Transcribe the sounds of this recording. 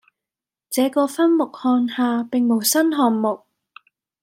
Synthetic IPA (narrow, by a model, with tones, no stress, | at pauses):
t͡sɛː˨˧kɔː˧fɐ˥nmʊ˨k̚hɔː˧nhaː˧pɪ˨ŋmo˨˩wsɐ˥nɦɔː˨nmʊ˨k̚